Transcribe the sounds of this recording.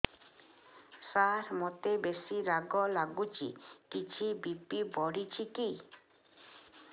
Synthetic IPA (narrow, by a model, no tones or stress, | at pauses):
saɾmot̪ebesiɾaɡɔlaɡut͡ʃḭkit͡ʃʰibipibɔɽit͡ʃʰiki